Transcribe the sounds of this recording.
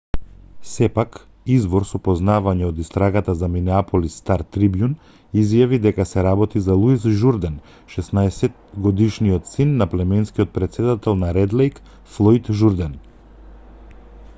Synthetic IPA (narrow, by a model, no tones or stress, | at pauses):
sɛpak | izvɔɾsɔpɔznavaɲɛod̪ist̪ɾaɡat̪azaminɛapɔlist̪aɾt̪ɾibjun | izjavid̪ɛkasɛɾabɔt̪izalˠuisʒuɾd̪ɛn | ʃɛsnaɛsɛt̪ɡɔd̪iʃniɔt̪sinːaplɛmɛnskiɔt̪̚pɾɛt̪sɛd̪at̪ɛlˠnaɾɛd̪lɛjk | flˠɔjt̪ʒuɾd̪ɛn